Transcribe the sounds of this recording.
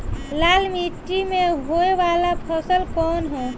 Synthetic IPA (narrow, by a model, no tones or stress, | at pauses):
lalmiʈːimeɦoeʋalapʰəsəlkɔnɦõ